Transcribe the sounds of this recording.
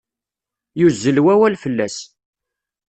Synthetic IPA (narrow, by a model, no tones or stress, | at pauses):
juzːəlwæwælfəlːæs